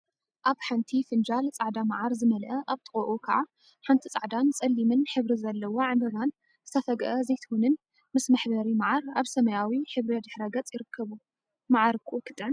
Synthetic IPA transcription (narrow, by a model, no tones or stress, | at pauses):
ʔaβħant̪ʰifɨnd͡ʒalt͡sʼaʕd̪amaʕaɾzɨmɐlʔɐʔaβt̪ʼɨχʼoʔukʰɐʕa | ħant̪ʰit͡sʼaʕd̪ant͡sʼɐlːimɨnħɨβɾizɐlːɐwoʕɨmɐlan | zɨt̪ʰɐfɐɡʔɐzɐjt̪ʰɨhunɨn | mɨsmɐħbɐɾimaʕaɾaβsɐmɐjawiħɨβɾɐd̪ɨħɾɐɡɐt͡sʼjɪɾɨkʰːɐβu | maʕaɾkʰɨʔokʰɨt̪ʼʕn